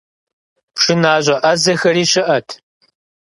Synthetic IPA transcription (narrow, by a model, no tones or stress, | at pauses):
pʂɨnaːʑʷɐʔɐzɐxɐɾiːɕɪʔɐtʰ